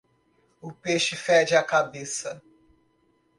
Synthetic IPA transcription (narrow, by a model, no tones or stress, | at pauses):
ʊpeʃɪfɛd͡ʒɪɐkabesɐ